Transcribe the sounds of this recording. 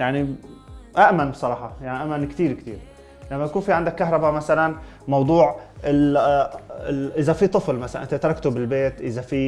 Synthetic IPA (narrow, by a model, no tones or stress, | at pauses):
jaʕni | ʔaʔmanbsˤɑɾˤɑːħɑjaʕniʔaʔmːankt̪iːɾkt̪ḭːɾ | lamːaj̪akuːnfiʕɪnd̪akːaɦɾˤɑbamasalan | mɑwd̪ˤuːʕɪl | ʔɪzafit̪ˤɨflmasala̰nʔɪnt̪et̪ɑɾˤɑkt̪ubɪlbeːt̪ʔɪzafi